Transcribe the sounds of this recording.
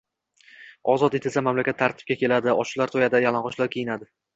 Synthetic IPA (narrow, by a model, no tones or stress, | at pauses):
ɒzɒt̪et̪ʰesamamlakʲat̪ʰːaɾt̪ʰɪ̥p̚kʲakʲʰe̞lad̪ɪɒʃlaɾt̪ʰojad̪ajalˠanʁɒʃlaɾkʲʰejɪnad̪ɪ